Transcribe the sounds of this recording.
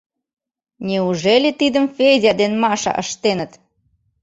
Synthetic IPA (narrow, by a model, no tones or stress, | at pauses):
nʲeuʒelʲet̪id̪əmfejzʲɑd̪enmɑʃɑ̰ʔəʃt̪enət̪